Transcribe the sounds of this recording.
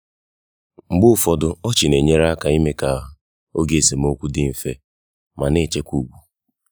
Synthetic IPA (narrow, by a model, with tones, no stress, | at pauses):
ŋ͡m̩˨ɡ͡bʊ˦˨fɔ˦dʊ˦ɔ˦t͡ʃɪ˨ne˨ɲe˦ɾa˦ka˨i˦me˦ka˨ | o˦ɡe˨se˨m̩˦o˦kʷu˦dɪ˦m̩˨fe˦ | ma˨ne˦˨t͡ʃe˦kʷu˦˨ɡ͡bʷu˨